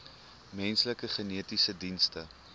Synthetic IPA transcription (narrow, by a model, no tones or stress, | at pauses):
mɛnsləkəχəniətisədinstə